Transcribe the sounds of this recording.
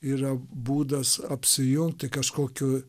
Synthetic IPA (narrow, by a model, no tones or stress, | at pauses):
iːɾɐbuːd̪ɐsɐpʲsʲɪjʊŋkt̪ʲɪkɐʃkoːkʲʊ